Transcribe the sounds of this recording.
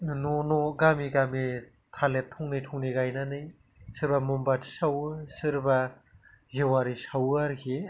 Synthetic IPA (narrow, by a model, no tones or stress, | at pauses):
nonoɡamiɡami | tʰaletʰɔŋnɯjtʰɔŋniɡajnanɯj | sɯɾbamumbatʰi̥sawsɯɾba | zewaɾisawaɾkʰi